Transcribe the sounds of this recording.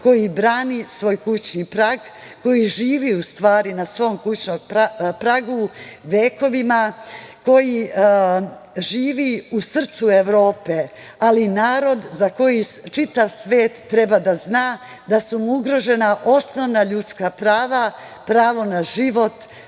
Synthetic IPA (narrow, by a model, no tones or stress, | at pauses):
ko̞jibɾaːnisʋo̞ːjkut͡ɕnipɾaɡ | ko̞jiʒiːʋiust̪ʋaːɾinasʋo̞ːmkut͡ɕnompɾaɡuʋeːko̞ʋimako̞ji | ʒiːʋiusr̩t̪sue̞ʋɾo̞ːpe | alinaːɾo̞d̪zako̞jit͡ʃit̪aʋsʋe̞ːt̪ːɾe̞bad̪aznaː | d̪asumuuɡɾo̞ʒe̞naʔo̞sno̞ʋnaʎut̪skapɾaːʋa | pɾaːʋo̞naʒiʋo̞t̪